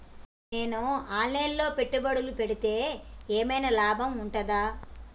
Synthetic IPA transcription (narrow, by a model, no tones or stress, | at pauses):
ne̞ːnuaːlːeːnlo̞ːpe̞ʈːubɐɽulupe̞ɽit̪e̞ːeːmɐjnɐlaːbʱɐmuɳʈɐd̪aː